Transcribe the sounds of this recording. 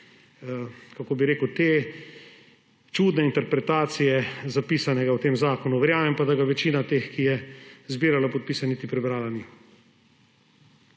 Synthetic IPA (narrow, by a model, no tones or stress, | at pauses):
kakoːbiɾeːkəwt̪eː | t͡ʃuːd̪nɛint̪ɛɾpɾɛt̪aːt̪sijɛzapiːsanɛɡawt̪eːmzaːkɔnuʋɛɾjaːmɛmpad̪aɡaʋɛt͡ʃiːnat̪eːxkijɛzbiːɾalapɔt̪̚piːsanit̪ipɾɛbɾaːlani